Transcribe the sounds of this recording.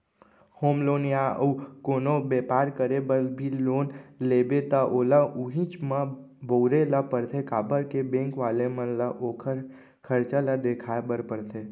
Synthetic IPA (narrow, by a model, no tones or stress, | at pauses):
hoːmloːnjaəukoːnobeːpaːɾkəɾebəɾbʱiloːnleːbet̪aʔoːlauɦĩt͡ʃmə̃ | boʊɾelapəɾt̪ʰekaːbəɾkebẽːŋkʋaːlemə̃nlaʔoːkʰəɾ | kʰəɾt͡ʃalad̪eːkʰaːebəɾpəɾt̪ʰeː